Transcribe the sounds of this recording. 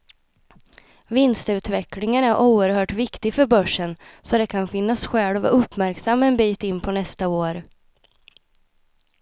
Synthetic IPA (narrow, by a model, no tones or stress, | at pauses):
vɪnst̪ʉ̟ːt̪vɛklɪŋənæɾʔuːəɾhœːʈvɪkt̪ɪɡfœɾbœʂːənsɔd̪ɛkʰanfɪnːasɧɛːlva̰ʔɵpːmæɾksamːaɛnbiːt̪ɪnːpʰɔnɛst̪aoːɾ